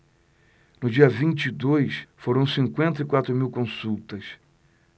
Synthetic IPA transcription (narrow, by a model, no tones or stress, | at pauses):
nʊd͡ʒiɐvĩt͡ʃid̪ojsfoɾɐ̃w̃sĩŋkwẽnt̪ɐikwat̪ɾʊmiwkõsuwt̪ɐs